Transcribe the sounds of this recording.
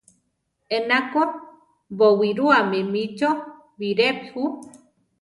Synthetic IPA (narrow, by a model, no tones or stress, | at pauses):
enako | βowiɾuamẽmĩt͡ʃo | βiɾephu